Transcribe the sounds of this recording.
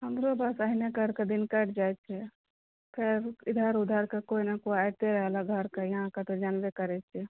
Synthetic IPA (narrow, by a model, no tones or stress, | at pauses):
ɦəmɾobasaɦinekəɾked̪inkəʈd͡ʒajt͡ʃʰɛ | kəɾɪd̪ʱaɾʊd̪ʱaɾkekoinakoajt̪eɾəɦlaɡʱəɾkajəɦãkat̪od͡ʒanbekəɾɛt͡ʃʰɛ